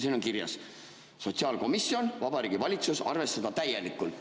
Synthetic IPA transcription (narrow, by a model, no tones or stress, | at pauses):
siːno̞ŋkirjɑ̰sː | o̞t̪siɑːlko̞misjo̞nvɑb̥ɑɾiːɡ̥ivɑlʲit̪susɑ̰rve̞st̪ɑd̪ɑt̪æje̞likːˑul